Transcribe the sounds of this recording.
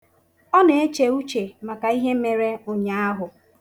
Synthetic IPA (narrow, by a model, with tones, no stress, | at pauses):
ɔ˦ne˨˦e˦t͡ʃe˨u˦t͡ʃe˨ma˨ka˨i˦ɦe˦me˨ɾe˦o˨ɲa˦a˦ɦʊ˨